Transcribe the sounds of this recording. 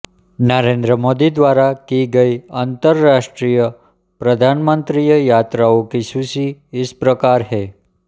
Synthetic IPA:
nəɾẽnd̪ɾəmod̪id̪ʋaɾakiɡəiant̪əɾːaʂʈɾijə | pɾəd̪ʱanmənt̪ɾijəjat̪ɾaokisusiːspɾəkaɾɦe

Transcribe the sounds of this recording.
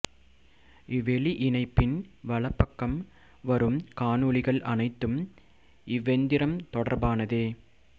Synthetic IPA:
ɪʋɛɭiʔɪnɐɪpːɪnʋɐɭɐpːɐkːɐm | ʋɐɾɯmkaːnɯɭɪɣɐɭʔɐnɐɪt̪ːɯm | ɪʋːɛnd̪ɪɾɐmt̪ɔɽɐɾbaːnɐðeː

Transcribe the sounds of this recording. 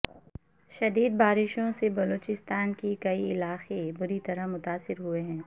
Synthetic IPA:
ʃɐd̪iːd̪̚baːɾɪʃõsebɐloːt͡ʃɪst̪aːnkikɐiɪlaːxebʊɾit̪ɐɾəɦmʊt̪aːsɪɾɦueɦɛ̃ː

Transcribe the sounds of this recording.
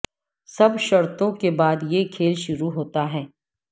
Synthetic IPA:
sɐbʃɐɾt̪õkebaːd̪jekʰeːlʃʊɾuɦoːt̪aɦɛː

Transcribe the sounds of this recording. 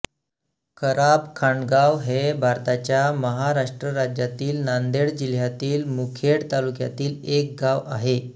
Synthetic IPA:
kʰəɾapkʰaɳɡaʋɦebʱaɾt̪at͡ɕjaməɦaɾaʂʈɾəɾad͡ʑjat̪iːlnand̪eɽd͡ʑil̤jat̪iːlmukʰeɽt̪alukja̰t̪iːlek̚ɡaʋa̰ɦe

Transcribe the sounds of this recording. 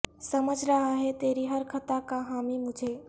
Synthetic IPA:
səməd͡ʒʱɾəɦaɦet̪eːɾiɦəɾkʰət̪akaɦaːmimʊd͡ʒʱe

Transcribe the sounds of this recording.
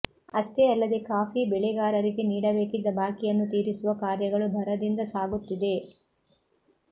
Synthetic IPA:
ɐʂʈeɐlːɐd̪e̞kaːpibɛɭɛɡaːɾɐɾiɡe̞niːɽɐbeːkid̪ːɐbʱaːkijɐnːut̪iːɾisuʋɐkaːɾjɐɡɐɭubʱɐɾɐd̪ind̪ɐsaːɡut̪ːid̪e̞

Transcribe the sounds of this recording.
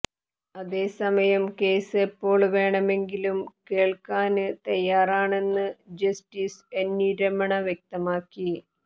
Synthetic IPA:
ɐðe̞ːsɐmɐjɐmke̞ːsepːo̞ːɭʋe̞ːɳɐme̞ŋɡilumke̞ːɭkaːnɨt̪ɐjːaːraːɳe̞nːɨd͡ʑɐstiːsenːiːɾɐmɐɳɐʋjek̚t̪ɐmaːkːi

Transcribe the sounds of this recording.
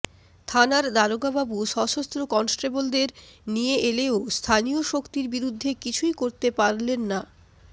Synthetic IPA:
t̪ʰanaɾd̪aɾoɡababuʃɔʃost̪ɾokɔnsʈɾebold̪eɾnijeʔeleost̪ʰanijoʃokt̪iɾbiɾud̪ʱːekit͡ɕʰujkoɾt̪epaɾlenːa

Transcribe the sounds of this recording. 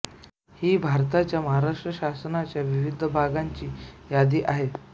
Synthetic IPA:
hiːbʱaɾt̪at͡ɕjaməɦaɾaʂʈɾəɕasnat͡ɕjaʋiʋid̪ʱəbʱaɡaɲt͡ɕiːjad̪iːʔaɦe

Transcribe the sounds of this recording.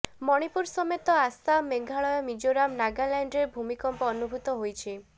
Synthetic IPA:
mɔɽ̃ipuɾsɔmet̪ɔasameɡʱaɭɔjɔmid͡ʒoɾamnaɡalaɳɖeɾbʱumikɔmpɔːnubʱut̪ɔɦojt͡ʃʰi

